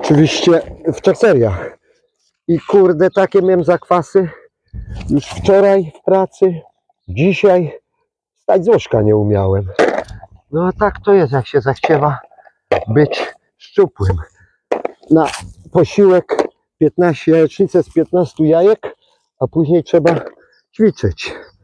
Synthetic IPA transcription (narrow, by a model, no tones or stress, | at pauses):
ɔt͡ʂɨvʲiɕt͡ɕɛft͡ʂɛksɛɾjax | ikuɾd̪ɛt̪akʲɛmʲɛmzakfasɘ | juʂft͡ʂɔɾajfpɾat̪sɘ | d͡ʑiɕaj | st̪ad͡ʑzwɔʂkaɲɛumʲja̰wɛm | nɔt̪akt̪ɔjɛst̪jakɕɛzaxt͡ɕɛva | bɘt͡ɕ | ʂt͡ʂupwɛm | napɔɕiwɛk | pʲjɛt̪naɕt͡ɕɛjajɛt͡ʂɲit̪sɛspʲjɛt̪nast̪ujajɛk | apuʑɲejtʂɛba | t͡ɕfʲit͡ʂɛt͡ɕ